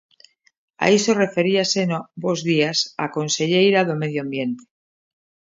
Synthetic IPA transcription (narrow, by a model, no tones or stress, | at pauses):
a̰eso̞re̞fe̞ɾiase̞nobo̞zðiasa̰ko̞nse̞ʎejɾaðome̞ðjoambje̞nt̪e̥